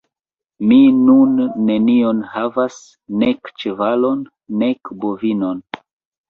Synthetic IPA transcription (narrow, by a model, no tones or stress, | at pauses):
minunːe̞nio̞nhavas | ne̞kt͡ʃevalo̞nː | e̞kbo̞vino̞n